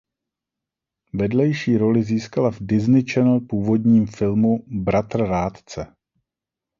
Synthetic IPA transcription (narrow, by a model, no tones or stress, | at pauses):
vɛdlɛjʃiːɾo̞lɪziːskalavdɪznɪt͡ʃɛnl̩puːvo̞dɲiːmfɪlmubɾʔat̪r̩ɾaːt̪t͡sɛ